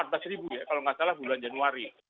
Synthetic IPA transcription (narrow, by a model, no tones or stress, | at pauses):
at̪asɾibujakaloŋasalahbuluand͡ʒanuaɾi